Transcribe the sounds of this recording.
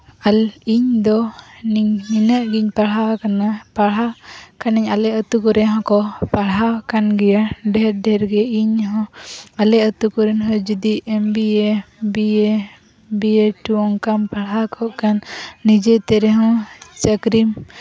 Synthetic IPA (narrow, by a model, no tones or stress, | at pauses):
aliɲd̪ɔniɲminəʔɡiɲpaɽɦakanapaɽɦakaniɲalɛət̪ukɔɾɛɦɔ̃kɔpaɽɦakanɡɛjaɖɛɾɖɛɾɡɛiɲɦɔ̃alɛət̪ukɔɾɛnɦɔ̃d͡ʒid̪iɛmbiebie | bieʈuɔŋkanpaɽakʰɔʔkanːid͡ʒɛt̪ɛɾɛɦɔ̃t͡ʃəkɾim